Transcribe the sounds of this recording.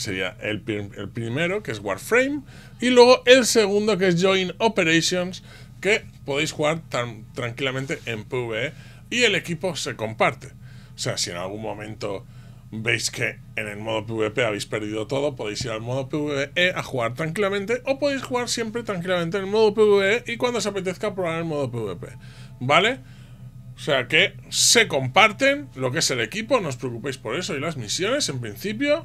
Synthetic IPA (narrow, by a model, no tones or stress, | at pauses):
se̞ɾia̰ʔḛlpḛlpɾime̞ɾo̞keezɣwa̰ɾfɾejm | ilwe̞ɣ̞o̞ʔe̞lseɣ̞und̪o̞k̬e̞zʝo̞ino̞pe̞ɾejsjo̞ns | ke̞po̞ð̞e̞jsxuɣaɾt̪amt̪ɾaŋkilamẽnt̪e̞ʔempeuβee | ie̞le̞kipo̞se̞ko̞mpaɾt̪e̞ | ose̞asie̞̰na̰lɣ̞unmõ̞mẽ̞nt̪o̞ | be̞jske̞ː | ne̞lmo̞ðopeuβe̞pe̞aβejspe̞ɾðiðo̞t̪o̞ð̞o̞poðejsiɾalmo̞ðopeuβeeeʔaxuɣaɾt̪ɾaŋkilamẽnt̪e̞ʔo̞po̞ðejsxuɣaɾsje̞mpɾe̞t̪ɾaŋkilamẽnt̪̬enelmo̞ðopeuβeeʔikwand̪o̞seape̞t̪̬e̞θkapɾoβaɾelmo̞ð̞opeuβe̞pe̞̰ | bale̞ | ose̞ake̞se̞ko̞mpaɾt̪e̞nlo̞k̬e̞se̞le̞kipo̞no̞s̬pɾeokupejspo̞ɾe̞so̞ilazmisjo̞ne̞se̞mpɾin̟θipjo̞